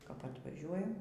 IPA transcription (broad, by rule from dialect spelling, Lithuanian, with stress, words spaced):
kɐp ɐtʋɐˈʒʲuɔjɛm